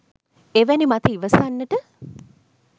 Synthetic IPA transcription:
eʋænimat̪iiʋəsanːəʈə

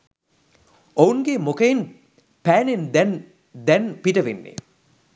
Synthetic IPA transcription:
ouŋɡemokɐin | pæːnend̪ɛn | d̪ɛnpiʈɐʋenːḛ

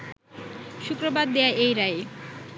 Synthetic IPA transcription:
ʃukɾobad̪ːeaʔejɾae

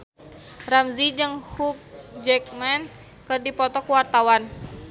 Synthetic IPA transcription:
ramzid͡ʒɨŋhuk̚d͡ʒɛk̚mɛn | kɨrdipɔt̪ɔkuwart̪awan

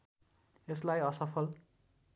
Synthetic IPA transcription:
eslajʌsʌpʰʌl

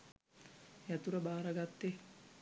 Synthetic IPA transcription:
jat̪uɾəbaːɾəɡat̪ːe

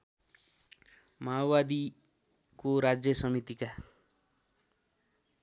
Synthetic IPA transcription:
mawbad̪i | koɾad͡zjʌsʌmit̪ika

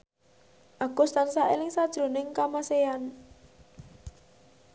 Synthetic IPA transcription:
ʔaɡ̥ust̪ansaʔelɪŋsad̥ʒ̥ɾonɪŋkamasean

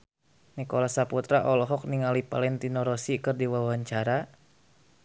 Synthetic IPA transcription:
nikɔlasaput̪ɾaʔɔlɔɦɔk̚niŋalipa̰lɛnt̪inɔɾɔsikɨrdiwawaɲt͡ʃaɾa

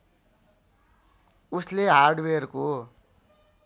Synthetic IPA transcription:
usleɦarɖwerko

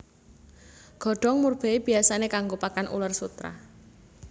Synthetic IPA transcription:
ɡ̥ɔ̤ɖ̥ɔ̤ŋmurb̥e̤ib̥i̤asanekaŋɡopakanʔṵlərsut̪ɾa̰

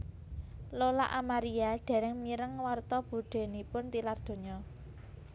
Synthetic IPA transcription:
lola̰ʔamaɾiaɖ̪̥ɛ̤ɾɛŋmiɾəŋwart̪ɔb̥uɖ̪̥e̤nipʊnt̪ilard̪̥o̤ɲɔ

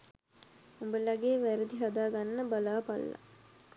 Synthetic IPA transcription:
umbəlaɡeːʋæɾəd̪iɦad̪aːɡanːəbalaːpa̰lːa̰

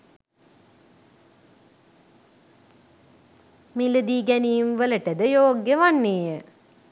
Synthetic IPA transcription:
miləd̪iːɡænijmʋələʈəd̪əjoːɡjəʋaɳːeːjə

